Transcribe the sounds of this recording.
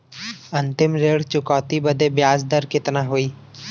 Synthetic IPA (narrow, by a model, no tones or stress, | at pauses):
ɐ̃nt̪ɪmɾeːɽt͡ʃʊkɔːt̪ibəd̪ebjaːsd̪əɾkɪt̪naɦoiː